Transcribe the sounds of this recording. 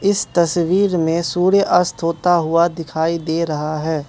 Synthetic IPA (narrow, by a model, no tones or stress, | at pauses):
ɪst̪ɐswiːɾmẽsuːɽeʔɐɾst̪ʰɦoːt̪aɦʊad̪ɪkʰaːid̪eːɾɐɦaɦɛː